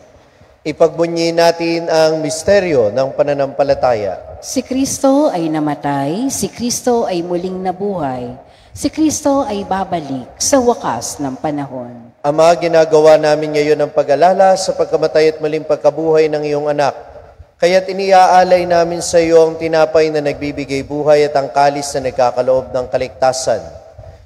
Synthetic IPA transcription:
ʔɪpɐɡ̚bʊɲːɪnaːt̪ɪnɐŋmɪst̪ɛɾjo̞nɐŋpɐnɐnɐmpɐlɐt̪aːjɐ̰sɪkɾist̪o̞ɐjnɐmɐt̪ajsɪkɾist̪o̞ʔɐjmʊliŋnɐbuːhɐj | sɪkɾist̪o̞ʔɐjbaːbɐlɪk̚sɐwɐka̰snɐŋpɐnɐɦo̞̰n | ʔɐmɐaɡɪnaːɡɐwanaːmɪnŋɐjo̞nɐŋpɐɡɐlaːlɐsɐpɐɡ̚kɐmɐt̪ajɐt̪̚mʊliŋpɐɡ̚kɐbuːhɐjnɐŋɪjo̞ŋɐnak̚ː | ɐjat̪ɪniʔaːʔaːlɐjnaːmɪnsɐjo̞ʔɐŋt̪ɪnaːpɐjnɐnɐɡ̚biːbɪɡajbuːɦɐjɐt̪ɐŋkaːlɪsnɐnɐɡ̚kaːkɐloʔo̞b̚nɐŋkɐlɪk̚t̪aːsɐ̰n

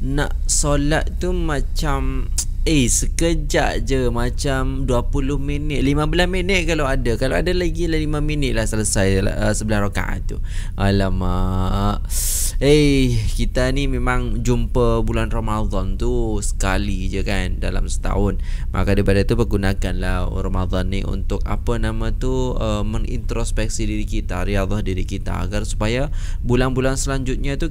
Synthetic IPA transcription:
naʔsolat̪̚t̪umat͡ʃam | əsəkəd͡ʒa̰ʔd͡ʒəmat͡ʃamduapulʊhminɪt̪̚limabəlasminɪt̪̚kalaowadakaloadalaɡilalimaminɪt̪̚lahsələsajl̰əsəbəlahraka̰ʔa̰ṵʔalamə | əkit̪animemãŋd͡ʒumpəbulanromad̪ɔnt̪usə̥kalid͡ʒəkandala̰msə̥t̪a̰ʊnmʔa̰kadibadat̪upərɡunakanlahromad̪ɔnːiṵnt̪ʊk̚a̰pənamat̪uəməŋḭnt̪ɾospɛk̚sidiɾikit̪aɾijad̪ɑhdiɾikit̪a̰ːɡarsu̥pajabulanbulansəlaɲd͡ʒʊt̪̚ɲat̪u

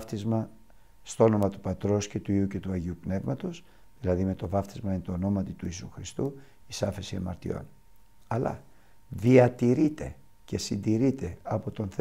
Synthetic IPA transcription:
ft̪izmɐ | st̪oo̞no̞mɐt̪u̥pɐt̪ɾo̞sce̞t̪uiuce̞t̪uɐʝiupne̞vmɐt̪o̞s | ðilɐðime̞t̪o̞vɐft̪izmɐinet̪ono̞mɐt̪it̪uisuxɾist̪u | isɐfe̞siemɐɾt̪ḭo̞̰n | ɐlɐ̰ | ðiɐt̪iɾit̪e̞̰ | ce̞sind̪iɾit̪e̞ɐpo̞t̪o̞nθe

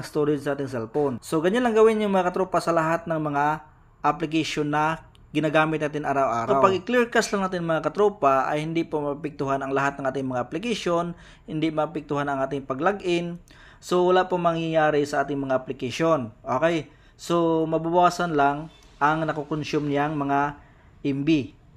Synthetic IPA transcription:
st̪oɾɪd͡ʒsɐʔaːt̪ɪŋs̬ɛlponso̞ɡɐɲanlɐŋɡɐwɪnjʊŋmɐŋakɐt̪ɾuːpasɐlɐɦat̪̚nɐŋmɐŋa | ʔɐplɪk̬aʃonːɐ | ɡɪnaɡaːmɪt̪̚naːt̪ɪnʔaːɾawʔa̰ːɾawpɐɡɪklɛɹkaslɐŋnaːt̪ɪnmɐŋakɐt̪ɾuːpaʔɐ̰jhɪnd̪ɪpomɐppɪk̚t̪ʊɦanɐŋlɐɦat̪̚nɐŋaːt̪ɪŋmɐŋaʔɐplɪkɐʃo̞n | hɪnd̪ɪmɐpɪk̚t̪ʊhanɐŋʔaːt̪ɪŋpɐɡlaɡʔɪn | sowɐlaʔpomɐŋjajaːɾɪsɐʔaːt̪ɪŋmɐŋaʔɐplɪkɐʃonʔoːkɛj | somɐbʊbwwaːsɐnlaŋ | ʔɐŋnɐkokonsumnɪjaŋmɐŋa | ʔɪmbɪ

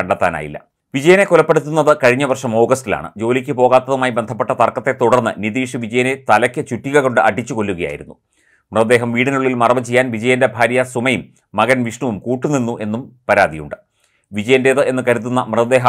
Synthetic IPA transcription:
kɐɳɖɐt̪ːa̰ːna̰ːjḭlːɐ̰ | ʋid͡ʑɐjɐne̞kulɐpːe̞ɽut̪ːunːɐðɨkɐɻiɲːɐʋɐrʂɐmo̞ːɡɐsila̰ːɳɨ̰d͡ʑo̞ːlikʲːɨpo̞ːɣaːt̪ːɐðumaːjibend̪ʱɐpːe̞ʈːɐt̪ɐrkɐt̪ːe̞t̪uɽɐrnːɨ̰niðiːʂiʋid͡ʑɐjɐnet̪ɐlɐkʲːɨt͡ɕuʈːiɣɐɣo̞ɳɖɨʔɐʈit͡ɕːuko̞lːuɣɐja̰ːjiɾunːu | mrɨðɐd̪eːɦɐmʋiːɽinuɭːilmɐrɐmɐt͡ɕejːaːnʋid͡ʑɐjɐnde̞bʱaːɾjɐsumɐjumː | ɐɣɐnʋiʂɳuʋumkuːʈːunːinːuʔe̞nːumpɐɾaːd̪ijṵɳɖɨ | ʋid͡ʑɐjɐnde̞ðɨe̞nːɨkɐɾut̪̬ːunːɐmrɨðɐd̪e̞ːɦɐ

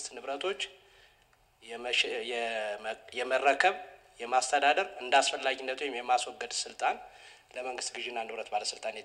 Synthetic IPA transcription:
st̪nɨβɾət̪ʰo̞t͡ʃː | ɛ | jɛmərːəkʰəβ | jɛmast̪ʰəd̪ad̪əɾɨnd̪asfəlːaɡinːət̪ʰuwɛmjɛmːaswɔɡːəd̪sɨlt̪ʼan | ləməŋɡɨst̪ɡɨʒɪnːanɨβɾət̪baləsɨlt̪ʼanjɛ

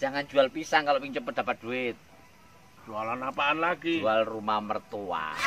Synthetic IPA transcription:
d͡ʒ̥aŋand͡ʒualpisankaloʔpiɲt͡ʃʊpəd̥apat̪̚d̥uɪt̪̚ | d͡ʒ̥ualanːapaːnlaɡiualrumamərt̪ua̰

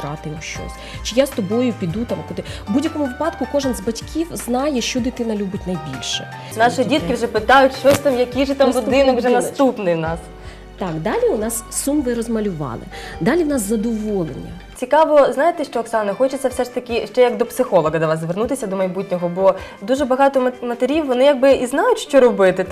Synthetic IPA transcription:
ɾɑt̪ɪmʃt͡ʃɔ̰sʲ | t͡ʃɪjast̪ɔbɔjʊpʲid̪ut̪ɑmkɔd̪ɪbudʲjɐkɔmʊʋɪpɑd̪kʊkɔʒɛnzbɐtʲkʲʰiwznɑjɛʃt͡ʃɔd̪ɪt̪ɪnɐlʲubʲɪtʲnɐjbʲilʲʃɛ̰ | nɑʃɪdʲit̪kʲɪwʐɛpɪt̪ɑjʊtʲʃt͡ʃɔsʲt̪amjɐkʲijʒɛt̪amlʊd̪ɪnɔkʒɛnɐst̪upnɪjwnɑs | t̪ɑkd̪ɑlʲiʊnɑssumʋɪɾɔzmɐlʲʊʋɑ̰lˠɪ̰d̪ɑlʲiwnɑszɐd̪ɔʋɔlˠḛnʲḭ | t͡sʲikɑʋɔznɑjet̪ɛʃt͡ʃɔːksɑnnɐxɔt͡ʃɪt͡sʲːɐwsɛʂt̪ɐkʲɪʃt͡ʃɛjɐkd̪ɔpsɪxɔlˠɔɣɐd̪ɐʋɑszʋernut̪ɪsʲɐd̪ɔmɐjbutʲnʲɔɦɔbɔ | d̪uʒɛbɐɦɑt̪ɔmmɐt̪eɾʲiwːɔnɪjaɡ̚bɪʔiznɑjʊtʲʃt͡ʃɔɾɔbɪt̪ɪt̪

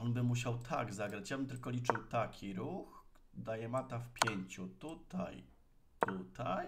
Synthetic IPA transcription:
ɔnbɘmːuɕ̬awt̪ʰa̰ɡzaɡɾat͡ɕjabɘmt̪ɘlkɔlʲit͡ʂɘwt̪akʲiɾux | d̪ajɛmat̪afpʲjeɲt͡ɕut̪ut̪a̰j | t̪ut̪aj

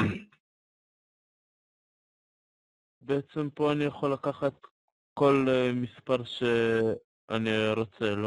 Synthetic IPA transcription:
beet͡se̞mpo̞anijaχolːakaχat̪̚ | ko̞lmispaʁʃe | ʔaniʁo̞t͡selo

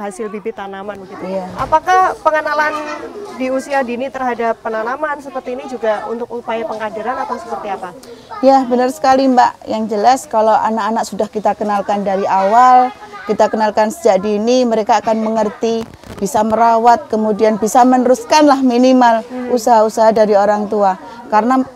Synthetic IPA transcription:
ɦasɪlbibɪt̪anamanɡit̪jaapakahpəŋənalandiusiadinit̪ərɦadapːənanamansəpərt̪iːnid͡ʒuɡaṵnt̪ʊk̚upajapəŋadiɾanat̪awsəpərt̪iapa | jabənərsə̥kalimba̰ʔjaŋd͡ʒəlaskalowʔa̰nakanak̚sudahkit̪akənalkandaɾiʔawalkit̪akənalkansə̥d͡ʒaʔ̚diːniməɾekaːkanməŋərt̪i | b̥isaməɾawat̪̚kəmudianbisamənəɾuskanlahminimalusaɦausaɦadaɾioɾaŋt̪ua | karəna

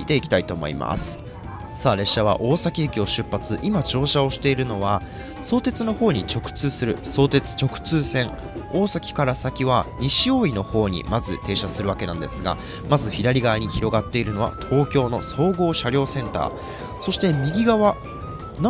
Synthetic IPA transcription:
t̪e̞ikʲi̥t̪ait̪o̞ːmo̞̰ḭma̰sɨ̥ | saːɾe̞ɕːaβa̰ʔo̞ːsakʲiekʲio̞ɕɨpːat͡sɨʔimat͡ɕo̞ːɕao̞ɕi̥t̪e̞iɾɯ̟no̞βa | so̞ːt̪e̞t͡sɨno̞ho̞ːɲ̟it͡ɕo̞kɯ̟̥t͡sɨːsɨɾɯ̟so̞ːt̪e̞t͡sɨ̥t͡ɕo̞kɯ̟̥t͡sɨːsẽ̞ŋ | o̞ːsakʲi̥kaɾasakʲiβaɲ̟iɕio̞ːino̞ho̞ːɲ̟ḭmazɨt̪e̞ːɕasɨɾɯβake̞nãnd̪e̞sɨɡa̰ | mazɨçʲiɾaɾʲiɡaaɲ̟içiɾo̞ɡat̪ːe̞iɾɯ̟no̞βa̰t̪ʰo̞ːkʲo̞ːno̞so̞ːɡo̞ːɕaɾʲo̞ːsẽ̞nt̪a̰ː | so̞ɕi̥t̪e̞mʲiɡʲiɡaβa | n

